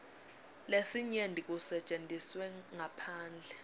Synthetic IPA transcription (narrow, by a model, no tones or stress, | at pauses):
lesiɲendʱʼik̬ʼusɛt͡ʃʼendʱiswɛŋapʰaːnd͡ɮʱɛ